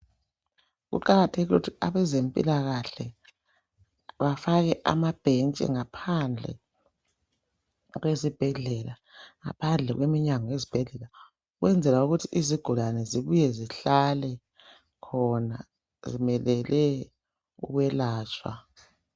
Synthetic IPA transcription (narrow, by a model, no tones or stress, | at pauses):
ɣṵǃaɣatʰeɣilutʰiaβɛzempʼḭlaɣaɬɛ | βafaɣɛʔa̰mab̥ʱent͡ʃʼɛ̰ŋapʰand͡ɮʱɛ̰ | ɣwezib̥ʱɛɮɛla | ŋa̰pʰand͡ɮʱɛɣwemiɲaŋawezib̥ʱɛɮɛla | uɣwɛnd͡zʱɛlauɣutʰiʔiziɡ̥ʱulanɛziβujɛziɬalɛ | kʰɔna̰ | zimɛlɛlɛ | ṵɣwɛlaːt͡ʃʰʼwa̰